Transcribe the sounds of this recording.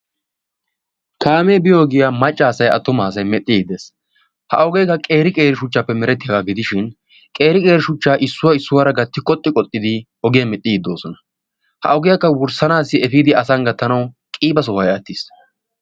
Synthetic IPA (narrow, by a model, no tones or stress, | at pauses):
kʰaːmeːbɪjoːɡɪjamɐt͡ʃʼːaːsɐjɐ̰t̪ːʊmaːs̬ɐjmɛt̪ʼːɪd̪es | hɐ̰ɔɡejkːɐkʼe̞ːɾɪkʼe̞ːɾɪʃʊt͡ʃːapːɛmɛɾɛt̪ːɪjɐɡaːɡɪd̪ɪʃɪn | kʼe̞ːɾɪkʼe̞ːɾɪʃʊt͡ʃːaːʔɪsːʊwɐɪsːʊwaːɾɐɡɐt̪ːɪkʼɔt̪ʼːɪkʼɔt̪ʼːɪd̪ɪ | ɔɡɪjɐmɛt̪ʼːɪɡd̪ːo̞ːsɔnɐ̥ | hɐ̰ɔɡɪjɐkːɐwʊɾsɐnaːsːɪɛfiːd̪ɪɐsɐŋɡɐt̪ːɐnɐw | kʼiːbɐs̬ɔwɐjɐt̪ːɪs